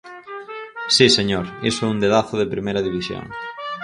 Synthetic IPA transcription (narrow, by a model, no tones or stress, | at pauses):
siseɲoɾḛsʊɛund̪eðaθʊðepɾimejɾɐðiβisjo̰ŋ